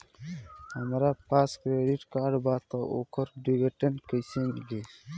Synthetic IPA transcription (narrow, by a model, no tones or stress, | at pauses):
hɐmɾapaːskɾeɖiʈkaːɖbaːt̪aʔo̰kɐɾɖiɡeʈenkəjseŋɡi